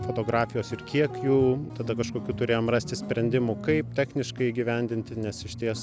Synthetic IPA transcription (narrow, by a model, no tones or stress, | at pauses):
foːt̪oːɡɾɑːfʲɪjoːsɪrkʲiɛkjuːt̪ɐd̪ɐkɐʃkoːkʲuːt̪ʊɾʲeːjoːmrɑːsʲt̪ʲɪsʲpʲɾʲɛnʲd̪ʲɪmukɐɪp̚t̪ʲæːxʲnʲɪʃkɐɪiːɡʲɪʋʲɛnʲd̪ʲɪnʲt̪ʲɪnʲɛsɪʃʲt̪ʲiɛs